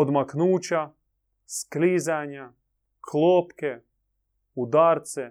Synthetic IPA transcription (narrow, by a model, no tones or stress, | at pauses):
od̪maknuːt͡ɕa | sklizaɲa | kʰlˠoːpke | ud̪aːɾt̪se